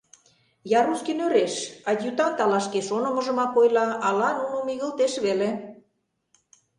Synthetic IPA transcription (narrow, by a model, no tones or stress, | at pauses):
jɑɾuskinøɾeʃɑdʲjut̪ɑnt̪ɑlɑʃkeʃonə̆mə̆ʒə̆mɑkojlɑɑlɑnunomiɣə̆lt̪eʃβele